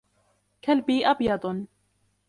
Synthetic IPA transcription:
kalbiːʔɑbjɑd̪ˤ

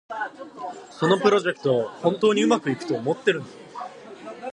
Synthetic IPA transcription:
so̞no̞pɯ̟ɾo̞ʑe̞kɯ̟̥t̪o̞ahõ̞nt̪oːɲ̟iɯ̟makɯ̟ikɯ̟̥t̪o̞ːmo̞t̪ːe̞ɾɯ̟̃nd̪a

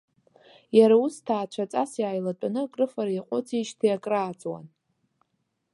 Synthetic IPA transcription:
jaɾaustʰaːt͡ʃʷʰat͡sʼasjaːjlat͡pʷʼanɨakʼrɨfaɾajiqʷʼʊt͡sʰit͡ʃtʰijakʼraːt͡sʼwa̰n

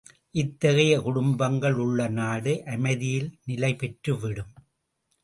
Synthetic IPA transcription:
ʔɪt̪ːɐɣɐjɐkʊɽʊmbɐŋɡɐɭʊɭːɐnaːɽɯʔɐmɐɪðɪjɪlnɪlɐɪpɛʈrɯʋɪɽɯm

